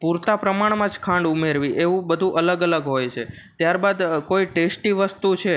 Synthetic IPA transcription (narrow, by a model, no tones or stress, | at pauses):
puɾt̪apɾəmaɳ̃mãd͡ʒkʰãɳɖumeɾʋiʔeʋũbəd̪ʱũʔələɡələɡɦojt͡ʃʰe | t̪jaɾbad̪koiʈesʈiʋəst̪ut͡ʃʰe